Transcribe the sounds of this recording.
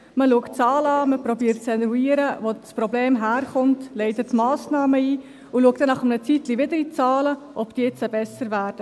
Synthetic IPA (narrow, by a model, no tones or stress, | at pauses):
məluəkt͡sɑːlɑːməprɔbiːɾtt͡sɛnɾuiːəɾəʋospɾɔbleːmɦæːɾχʊntleɪtətmɑːsnɑːməiː | uluək̚td̥ɛnɑχəmnət͡sitliʋɪdəɾit͡sɑːləʔɔb̥d̥iːt͡səbɛsəɾvæːɾd̥ə